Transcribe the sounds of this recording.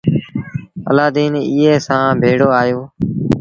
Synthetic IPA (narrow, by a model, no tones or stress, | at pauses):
ə̰laːd̪iːniːeːsãːbʱeːɽoːaːjoː